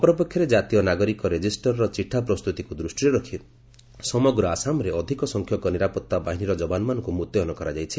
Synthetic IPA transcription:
ɔpɔɾɔpekʰjɔɾed͡ʒat̪ijɔnaɡɔɾikɔɾed͡ʒisʈɔɾɾɔt͡ʃiʈʰːapɾɔst̪ut̪ikud̪ɾusʈiɾeɾɔkʰi | sɔmɔɡɾɔasamɔɾeɔd̪ʱikɔsɔŋkʰjɔkɔniɾapɔt̪ːabaɦiniɾɔd͡ʒɔbanɔmanɔŋkumut̪eɔnɔkɔɾad͡ʒajt͡ʃʰi

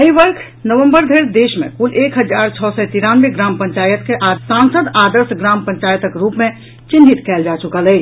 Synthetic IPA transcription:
əɦiʋəɾkʰ | nəʋə̃mbəɾd̪ʱeɾd̪eːʃmḛ̃kʊleːkɦəd͡ʒaːɾt͡ʃʰɔːsɛt̪iɾaːnʋeɡɾaːmpə̃ɲt͡ʃaːjət̪keʔaɾsãnsəd̪aːd̪əɾsɡɾaːmpə̃ɲt͡ʃaːjət̪əkɾuːpmẽ | t͡ʃɪnɦit̪kɛːld͡ʒaːt͡ʃʊkəlɦə

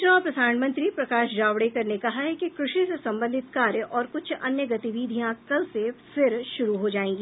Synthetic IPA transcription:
nɔːɾpɾɐd̪aːnmɐ̃nt̪ɾipɾɐkaːʃd͡ʒaːʋɽekɐɾnekɐɦaɦɛkikɾʊʃisesɐ̃mbə̃nd̪ʱɪt̪kaːɾjəʔɔːɾkʊt͡ʃʰɐ̰njəɡɐt̪iʋiːd̪ʱijãkɐlsefɪɾʃʊɾuɦod͡ʒaːẽːŋɡiː

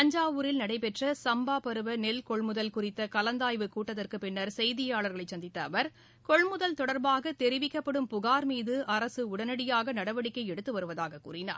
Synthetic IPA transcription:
pɐɲd͡ʒaːʋɯɾɪlnɐɽɐɪpɛʈrɐsɐmbaːpɐɾɯʋɐnɛlkɔɭmʊðɐlkʊrɪt̪ːɐkɐlɐnd̪aːjʋɯkuːʈːɐðɐrkɯpɪnːɐɾsɛjðɪjaːɭɐɾɣɐɭɐɪt͡ʃsɐnd̪ɪt̪ːɐːʋɐɾ | kɔɭmʊðɐlt̪ɔɽɐɾbaːɣɐt̪ɛɾɪʋɪkːɐpːɐɽɯmpʊɣaːɾmiːðɯʔɐɾɐsɯʊɽɐnɐɽɪjaːɣɐnɐɽɐʋɐɽɪkːɐɪɛɽɯt̪ːɯʋɐɾɯʋɐðaːɣɐkṵːrɪna̰ːɾ

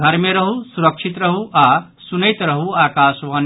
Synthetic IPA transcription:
ɡʱɐɾmeɾɐɦusuɾəkʃʰit̪ɾɐɦuʔasunəjt̪ɾɐɦuaːkaːʃʋɐn

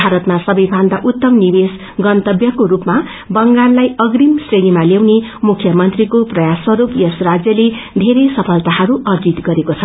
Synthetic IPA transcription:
bʱaɾʌt̪masʌbʌjbʱand̪aʔut̪ːʌmnibes | ɡʌnt̪ʌbjʌkoɾupma | bʌŋɡarlajʌɡrimsrenimalewnemukʰːjʌmʌnt̪rikoprʌjaswʌɾupjʌsrad͡zjʌled̪ʱeɾesʌpʰʌlt̪aɦʌɾuʔʌrd͡zit̪ɡʌɾekot͡sʰʌ

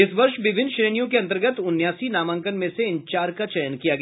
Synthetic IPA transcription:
ɪsʋɐɾʃʋɪbʱɪnːʃɾeːnijõkeɐ̃nt̪əɾɡət̪ʊnjaːsinaːmə̃ŋkənmẽseɪnt͡ʃaːɾkat͡ʃɛjənkijaɡɐ

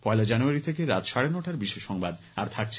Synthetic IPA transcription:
pɔelad͡ʑanuaɾit̪ʰekeɾat̪ʃaɽenoʈaɾbiʃeʃɔŋbad̪ | a̰ɾt̪ʰak̚t͡ɕʰ

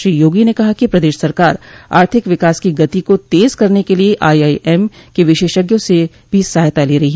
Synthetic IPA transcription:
ʃɾiːjoːɡinekɐɦakipɾɐd̪eːʃsɐɾkaːɾa̰ːɾt̪ʰɪkʋɪkaːskiɡɐt̪ikot̪eːzkɐɾnekelieʔaːiaːiʔɛːmkeʋɪʃeːʃəɡjõse | bʱisaːɦjt̪aleːɾɐɦiɦɛː

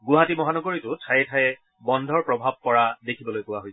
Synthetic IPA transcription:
ɡʊɦatimɔɦanɔɡoɹitʊtʰajɛtʰajɛ | bɔndʱɔɹpɹɔbʱab̚pɔɹadekʰibɔlojpʊwaɦojs

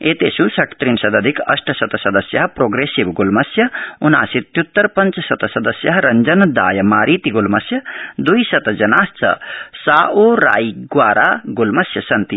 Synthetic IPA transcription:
eːt̪eːsusɐkt̪ɾinsɐd̪ɐd̪ʱikɐ̰sʈʰɐsɐt̪ɐsɐd̪ɐsjɐɦpɾoːɡɾeːsiʋɡulmɐsjɐuna̰ːsit̪jut̪ːɐɾpɐnt͡ʃsɐt̪ɐsɐd̪ɐsjɐɦɾɐɲd͡ʒɐnd̪a̰ːjɐmaːɾiːt̪iɡulmɐsjɐd̪ujsɐt̪ɐd͡ʒɐnaːst͡sɐ̰saːʔoːɾa̰ːjɡʋaːɾaːɡulmɐsjɐsɐnt̪i

